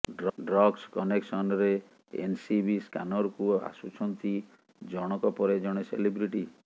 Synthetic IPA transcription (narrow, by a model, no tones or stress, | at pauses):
ɖɖɾɔɡskɔneksɔnɾe | ḛnsibiskanɔɾkua̰sut͡ʃʰɔnt̪ʰi | d͡ʒɔɽ̃ɔkɔpɔɾed͡ʒɔɽ̃esḛlibɾiʈi